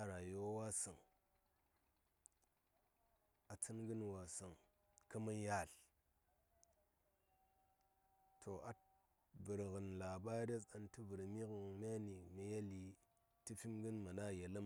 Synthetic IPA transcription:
a˦ɾa˨jo˦wa˦sə˨ŋ | a˨t͡sɨ˦nɡɨ˦nwa˨sɨ˨ŋ | kə˦ma˦ja˦˨l | tʰo˨a˨ | bə˨ɾɣɨ˨nla˨ba˦ɾe˦t͡sa˨ntɨ˦bə˨ɾmi˦kmʲa˦ni˨mi˨ja˦li˨ | tɨ˦fi˦mɡɨ˦nma˨na˦˨je˨lə˦m

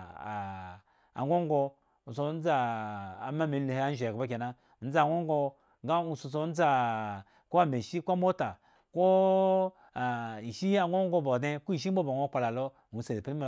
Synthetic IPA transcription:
a̰˨ŋɡo˦ŋɡo˧˨ | so˦n̩˦d͡zaː˦˨˦ | ma˦mi˨˦le˨he˦a˦n̩˦ʒkba˦k̬ʲe˨na˦ | n̩˦d͡za˨ŋo˦ŋ˦ɡo˧ | ŋɡa˦u˦˨so˨so˦n̩˦d͡za˦ | ko˦a˦˨me˨ʃi˦ko˦mo˦ta˨ | ko˦˨ | i˨ʃi˦a˨ɡo˦ŋɡo˦bo˨dẽ˦ko˦i˨ʃ̬i˦o˦bo˨ŋo˦k͡pa˨la˨lo˦˨u˨se˨de˨pi˦me˨

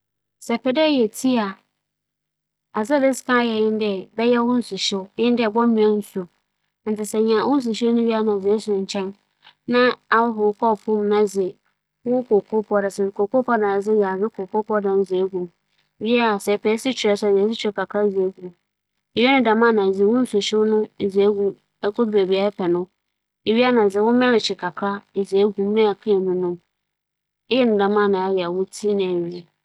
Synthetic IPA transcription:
sɛ˨pʰɛ˨dɛ˦jɛ˨tʰi˦a˨ | a˨za˦bɪ˦ska˦jɛ˨jɪ̃˦ndɛ˨bɛ˦jɛ˦wʊ̃˦n̩˦sʊ˨ɕɪ˦jɪ̃˦ndɪ˦ɛ˨bɔ˦mĩ˨ɛ̃˦n̩˦sʊ˨ | n̩˨tʰɪ˨sɛ˨ɲã˨wʊ̃˦n̩˦s̬ʊ˨ɕɪ˦nʊ̃˦ɥi˦a˦nã˨zɪ˨ɛ˦sʊ˨ɲ̩˨t͡ɕʰɛ̃˦n | nã˦a˦wʊ˦ɦʊ˨˦kʰɔ˦˨pʰũ˦mnã˦d͡zɪ˨ | wʊ˦kʰo˨kʰo˦pʰɔ˦da˨sɛ˨ɾɪ˨kʰo˨ko˦pʰɔ˦dã˨n˨˦d͡zɪ˦ja˨ɾɪ˦kʰo˨kʰo˦pʰɔ˦dã˨n˦zɪ˨e˦ɡu˨ | ɥi˦a˦˨sɛ˨pʰɛ˨˦sɪ˦t͡ɕʰᶣɛ˨sɛ˨zɛ˨˦s̬ɪ˦t͡ɕʰᶣɾɛ˨ka˨kʰa˦ze˨˦ɡu˨ | e˨ɥɛ˦nʊ̃˨da˨mã˦˨nã˨ze˨˦wʊ̃˦n̩˦so˨ʃɪ˦wnʊ̃˦˨ze˨˦ɡu˦ | ɛ˦kʰo˦de˨bi˨a˨ɛ˦pʰɛ˨nʊ̃˦ | e˨ɥi˦a˦nã˨d͡zɪ˨wʊ̃˦mɛ̃˦ɾɪ˨t͡ɕʰɪ˨kʰa˨kʰa˦˨ze˨˦ɡu˨m˦nɪ̃˦a˨kʰĩ˦ɛ˨nũ˦nʊ̃˦ | e˦jɛ˦nʊ̃˨da˨mã˦˨nã˨a˦jɛ˨a˨wʊ˦tʰi˦nɪ̃˨e˨ɥi˨ɛ˨

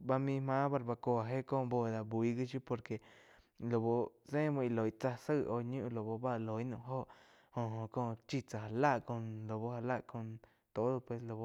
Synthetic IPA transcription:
ba˧mĩ˧mã˦ba˧ɾba˧ko˧a˨ɦe˦kõː˦˧bo˧˨d̪a˨bwi˨˧ɡi˦ʃju˦po˧ɾke˨ | lo˨bo˧sẽ˦mõ˧i˧˨lo˨jt͡sa˧sə˦˨ʔo˧ɲũ˦ʔlo˨bo˧ba˦ʔlo˨i˦nũ˧˨ɦo˦ʔ | hõ˧˨ɦõ˨kõː˦˧t͡ʃi˧t͡sa˧˨ɦa˨la˦ʔko˧nlo˨bo˧ha˧la˦ʔko˧n | t̪o˨˦d̪o˧pwe˧slo˨bo˧

